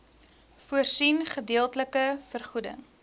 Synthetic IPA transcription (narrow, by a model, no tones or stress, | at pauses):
fuərsinχədiəlˠtələkəfərχudə̰ŋ